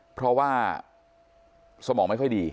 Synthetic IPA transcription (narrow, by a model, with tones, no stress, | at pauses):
pʰɾɔ˦˥waː˥˩ | sa˧mɔː˩˦ŋma˥˩jkʰɔ˥˩jdiː˧